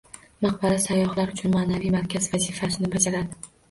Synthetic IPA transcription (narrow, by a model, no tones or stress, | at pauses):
maqbaɾasajːɒχlaɾʊt͡ʃʰʊnmaːnavijmaɾkʲazvazifasɪnɪbad͡ʒaɾad̪ɪ